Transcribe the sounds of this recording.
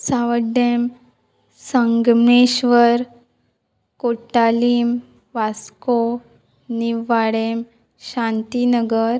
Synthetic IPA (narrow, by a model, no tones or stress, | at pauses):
saʋəɖem | səŋɡmɳeɕʋəɾ | koʈːaliːm | ʋasko | niʋaɽem | ɕãnt̪inəɡəɾ